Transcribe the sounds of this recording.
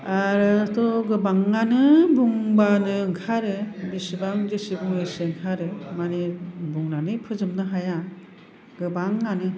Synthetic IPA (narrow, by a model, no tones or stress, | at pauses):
aɾɯatɔɡɯbaŋːanɯbuŋbanɯɯŋkʰaɾɯbisibaŋd͡ʒesibuŋeseŋkʰaɾɯmanibuŋnanɯjpʰɯzɯmnɯɦaja | ɡɯbaŋːanɯ